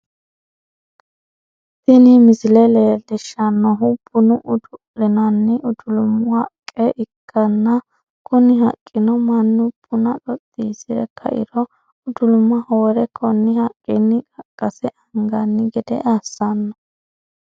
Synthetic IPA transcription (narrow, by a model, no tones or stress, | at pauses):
tɪnɪmɪsɪlɛleːd̪ɛʃːɐnːɔɦʊbʊnʊʔʊd̪ʊʔɪnɐnːɪʊd̪ʊlʊmʊhɐkʼːɛʔɪkʰːɐnːɐ | kɔnɪhɐ̰kʼːɪnɔmɐnːʊbʊnɐᶑɔt̪ʼːiːsɪɾɛ̰kʰɐ̰ʔɪ̰ɾɔ | ʊd̪ʊlʊmːɐhoːɾɛkʰɔnːɪhɐkʼːɪnːɪkʼɐkʼːɐsɛʔɐŋɡɐnːɪɡɛd̪ɛ̰ʔasːɐnːɐ